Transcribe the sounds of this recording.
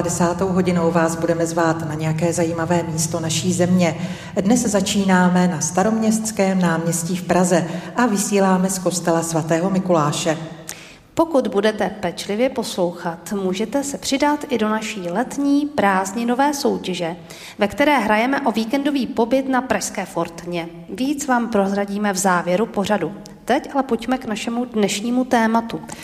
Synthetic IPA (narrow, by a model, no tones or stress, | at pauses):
dɛsaːt̪o̞wɦo̞ɟɪno̞wvaːzbudɛmɛzvaːt̪naɲɛjakɛːzajiːmavɛːmiːst̪o̞naʃiːzɛmɲɛ | dnɛszat͡ʃiːnaːmɛnast̪aɾo̞mɲɛst̪skɛːmnaːmɲɛsciːfpɾazɛʔavɪsiːlaːmɛsko̞st̪ɛlasvat̪ɛːɦo̞mɪkulaːʃɛ | po̞kud̪budɛt̪ɛpɛt͡ʃlɪvjɛpo̞slo̞wxat̪muːʒɛt̪ɛsɛpr̝̥ɪdat̪ʔɪdo̞naʃiːlɛt̪ɲiːpɾaːzɲɪno̞vɛːso̞wcɛʒɛ | vɛkt̪ɛɾɛːɦɾajɛmɛʔo̞viːkɛndo̞viːpo̞bɪt̪napɾaʃskɛːfo̞ɾt̪ɲɛ | viːt͡svaːmpɾo̞zɾaɟiːmɛvzaːvjɛɾupo̞r̝adu | t̪ɛcʔalɛpo̞cmɛknaʃɛmudnɛʃɲiːmut̪ɛːmat̪u